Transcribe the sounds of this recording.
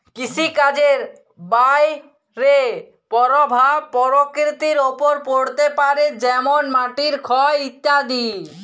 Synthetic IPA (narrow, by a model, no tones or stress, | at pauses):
kit͡ɕʰikad͡ʑeɾ | baj | ɾe | pɔɾobʱapɔɾokɾit̪iɾopoɾpoɽt̪epaɾed͡ʑɛmonmaʈiɾkʰɔeit̪ːad̪i